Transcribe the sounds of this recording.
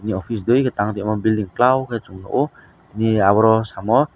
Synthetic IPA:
iniɔpʰis̬dojketaŋtiamɔbildiŋklawkɛt͡ʃuŋnɔ̰ʔu | iniaβɔɾɔsamɔ

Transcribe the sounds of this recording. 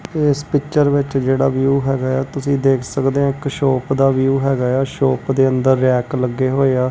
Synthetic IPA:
ɪspɪkt͡ʃəɾʋɪt͡ʃd͡ʒeːɽaːʋijuːɦɛːɡaːjaːt̪ʊsĩːd̪eːkʰsəkd̪eːãːɪkʃɔːpd̪aːʋijuːɦɛːɡaːjaːʃɔːpd̪eːənd̪əɾːɛːkləɡːeːɦoːeːaː

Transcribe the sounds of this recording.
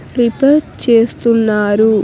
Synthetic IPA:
ɾipeʈt͡ʃe̞ːst̪unːaːɾu

